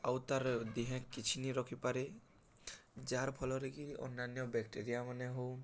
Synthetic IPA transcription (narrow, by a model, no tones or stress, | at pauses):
awt̪aɾd̪iɦɛ̃kkːit͡ʃʰiniɾɔkʰipaɾe | d͡ʒaɾpʰɔlɔɾekiɔ̰nːanjɔbɛk̚ʈeɾijamanɛɦow